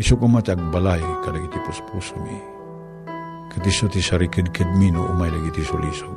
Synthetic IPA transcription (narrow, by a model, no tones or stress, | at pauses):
isokomat̪ak̚balajkalaɡit̪ipəspusonḭ | kət̪isot̪isaɾikəd̚kəd̪̚minuʔṵmajlaɡit̪iso̰liso